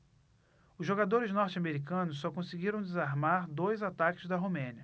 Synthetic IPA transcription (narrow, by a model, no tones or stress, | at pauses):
ʊzʒoɡad̪oɾɪznɔɾt͡ʃɪameɾikɐ̃nʊsːɔkõsɪɡiɾɐ̃w̃d͡ʒ̪ɪzaɾmaɾd̪ojzat̪akɪzd̪ɐɦomẽniɐ